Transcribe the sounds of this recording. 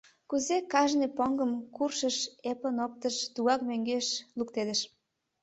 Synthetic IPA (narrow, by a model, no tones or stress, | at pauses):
kuzekɑʒnepoŋɡəmkurʃəʃepənop̚t̪əʃt̪uɑkmøŋɡeʃlukt̪ed̪ə̆ʃ